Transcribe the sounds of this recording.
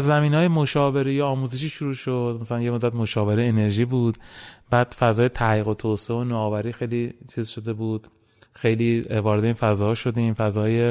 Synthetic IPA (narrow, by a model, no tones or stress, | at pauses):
zːæmiːnɒːjemoʃɒːve̞ɾejeɒːmuːzeʃiːʃoɾuːʃod̪̥mæsælænjemod̪ːæt̪mo̞ʃɒːve̞ɾeːne̞ɾʒiːbuːd̪̥b̥æːd̪̥fæzɒːjet̪ʰæliːɣo̞t̪ʰoseeonɒːvæɾiːxejlit͡ʃʰiːzʃo̞d̪e̞buːd̪̥ | xe̞jliːvɒːɾe̞d̪einfæzɒːʃo̞d̪iːmfæzɒːje